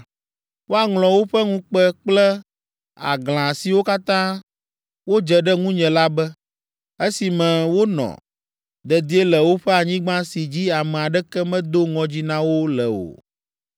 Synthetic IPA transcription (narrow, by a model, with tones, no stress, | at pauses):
wo˦a˨ŋlɔ̃˨wo˦ɸɛ˦ŋũ˦k͡pɛ˦k͡plɛ˦ | a̰˨ɡl̃ã˨si˨wo˦ka˦t̪ã˦ | wo˦d͡ʒɛ˨ɖɛ˦ŋũ˦ɲɛ̃˨la˦bɛ˦ | e˦si˨mɛ̃˨wo˦nɔ̰̃˨ | d̪ɛ˨d̪i˦e˦lɛ˨wo˦ɸɛ˦a˨ɲĩ˦ɡ͡bã˦si˨d͡ʑi˦a˨mɛ̃˨a˨ɖɛ˦kɛ˦mɛ̃˦d̪o˦ŋɔ̃˨d͡ʑi˦nã˦wo˦lɛ˨o̰˨